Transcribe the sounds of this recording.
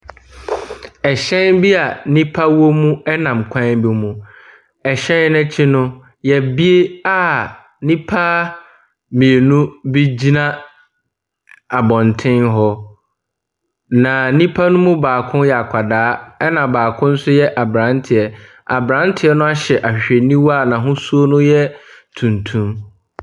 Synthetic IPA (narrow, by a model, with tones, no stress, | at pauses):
ɛ˨ɕɛ̃˦nbi˦a˨nĩ˦pʰa˦wo˦mũ˦ɛ˦nã˨m˨kʷʰã˦bi˦mũ˨ | ɛ˨ɕɛ̃˦n˦nɛ̃˦t͡ɕʰɪ˦nʊ̃˦ | jɛ˨bi˦e˦a˦ | nĩ˦pʰa˦ | mĩ˨e˨nũ˦bi˦d͡ʑi˦nã˦ | a˨bɔ̃˨ntʰɪ̃˦nɦɔ˦ | nã˨nĩ˦pʰa˦nʊ̃˦mũ˦baː˨kʰʊ̃˦njɛ˨a˨kʷʰa˨daː˦ɛ˦nã˨baː˨kʰʊ̃˦n̩˦sʊ˦jɛ˦ʔa˨bɾã˦ntʰɪ˨ɛ˨ | a̰˨bɾã˨˦n˦tʰɪ˨ɛ˦nʊ̃˦a˦ɕɛ˨ʔa˨ɕᶣɪ˨ɕᶣɛ˨nĩ˦wa˦˨nã˨ɦʊ̃˦su˦o˦nʊ̃˦jɛ˦tʰũ˨ntʰũ˦m